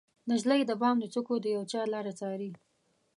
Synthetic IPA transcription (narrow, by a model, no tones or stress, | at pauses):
naʒlajd̪əbɑmd̪ət͡sukod̪əjawt͡ʃɑlɑɾat͡sɑɾi